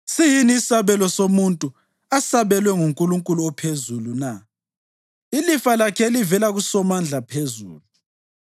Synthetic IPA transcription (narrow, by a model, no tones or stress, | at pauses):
sijiniːsaβɛlɔsomuntʼu | asaβɛlwɛŋuŋkʼuluŋkʼuluɔpʰezuluna | ilifalakʰɛelivɛlaɣusɔmand͡ɮʱapʰezṵːlu